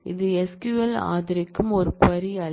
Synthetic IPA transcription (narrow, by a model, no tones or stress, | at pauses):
ɪ̰ðɯɛskuʋɐla̰ːðɪɾɪkːɯmɔɾɯpɐɾiɐ